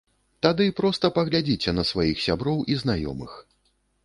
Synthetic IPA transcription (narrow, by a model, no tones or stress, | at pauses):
t̪ad̪ɨpɾɔst̪ɐpɐɣlʲad͡zʲit͡sʲɛnɐsvajixsʲabɾɔwʔiznajɔ̰mɨ̰x